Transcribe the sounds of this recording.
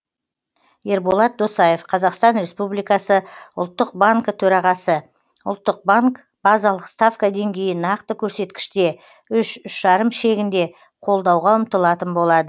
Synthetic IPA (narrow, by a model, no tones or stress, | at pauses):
je̞ɾbo̞lˠɑt̪̚d̪osɑje̞fqʰɑzɑqst̪ɑnɾe̞spublijkɑsəʊ̰lˠt̪ːəq̚baŋkət̪ʰɵɾɑʁɑsə | ʊ̰lˠt̪ːəq̚baŋk | b̥ɑzɑlˠəqst̪afkəd̪e̞ŋɡʲe̞jɪnɑqt̪əkʲʰɵɾse̞t̪kʲɪ̥ʃt̪e̞ | ʏʃʏʃʒɑɾəmʃe̞ɡʲɪnd̪e̞ | qʰo̞lˠd̪ɑwʁɑʊmt̪əlˠɑt̪ənbo̞lˠɑd̪ə